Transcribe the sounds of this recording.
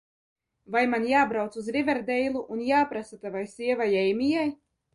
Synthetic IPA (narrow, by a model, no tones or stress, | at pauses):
vajmanjaːbɾawt̪suzɾivʲɛɾd̪ɛjlˠuʔunjaːpɾasat̪avajsiɛvajɛjmʲijaj